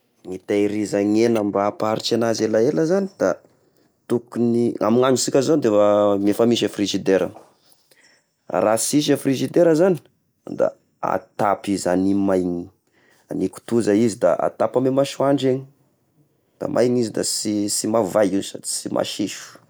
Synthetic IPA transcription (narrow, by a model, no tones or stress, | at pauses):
ŋit̪ajɾizaŋenambapaɾit͡ʃanazelaeləzanid̪̥a | t̪ukunia̰miŋanusikʲazod̪ewamefamiʃ̬afrizid̪eɾə̰ | rasiʃ̬afriʒid̪eɾəzani̥ | d̪a̰ | a̰t̪apizanimajŋi | aniku̥t̪uzaizid̪a̰ʔa̰t̪apamemaʃuaɳɖ͡ʐeɲi̥ | d̪̥a̰mʔa̰jɲizid̪a̰sisimavajisad͡ʒi̥simʔa̰ʃiʃu̥